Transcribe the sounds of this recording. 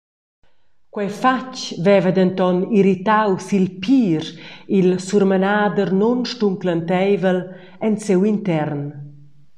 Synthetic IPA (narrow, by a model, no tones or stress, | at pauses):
kwɛjfat͡ʃvɛvəd̪ɛnt̪ɔniɾit̪awsilpʰiːɾilsuɾmənaːd̪əɾnɔnʃtuŋklənt̪ɛjvəl | ɛnsewint̪ɛrn